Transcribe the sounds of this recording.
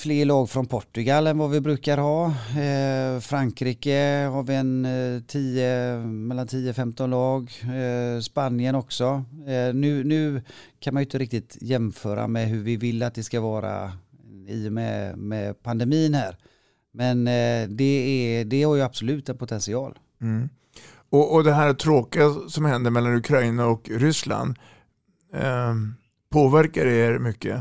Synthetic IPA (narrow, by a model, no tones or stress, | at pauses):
fleːɭɑːɡfɾɔnpʰɔʈːɵɡalːɛnvavɪbɾʉ̟ːkaɾɦɑː | fɾaŋkʰɾiːkəhaɾvɪɛnt̪ʰiːəmɛlːant̪ʰiːəfɛmt̪ɔnlɑːɡ | spanjənɔksɔnʉ̟ːnʉ̟ːkʰanmanjʏɪt̪əɾɪk̚t̪ɪt̪jɛmfœːɾa̰mɛɦɵɾvɪvɪlːat̪̚d̪ɛskavɑːɾa̰ | iːʊmɛ̰mɛpʰand̪ɛmiːnhæːɾ | mɛnd̪ɛɛd̪ɛhaɾjɵab̥sʊlʉ̟ːt̪ɛnpʰʊt̪ʰɛnsɪɑːl̩ | ɔɔd̪ɛɦæːɾt̪ʰɾoːkɪasɔmhɛnd̪əɾmɛlːanɵkʰɾajnaɔkɾʏsla̰nd̪ | pʰoːvæɾkaɾeɾmʏkːə̰